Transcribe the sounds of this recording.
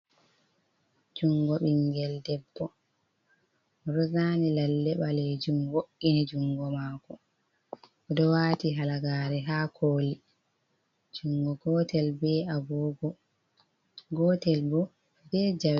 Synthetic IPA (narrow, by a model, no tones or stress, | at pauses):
d͡ʒuŋɡɔɓiŋɡɛldɛbːɔ | ɾɔzaːnilalːɛɓalɛd͡ʒumwoʔːinid͡ʒuŋɡɔmaːkɔ | ɔdɔwaːtiɦalaɡaːɾɛɦaːkʰoːli | d͡ʒuŋɡɔɡɔːtɛlbɛabɔːɡɔ | ɡɔːtɛlbɔ | bɛːd͡ʒaw